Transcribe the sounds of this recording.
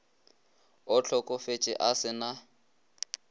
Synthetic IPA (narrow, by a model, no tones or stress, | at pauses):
ʊt͡ɬʰɔkʼɔfet͡ʃʼɪ̰ʔasɪna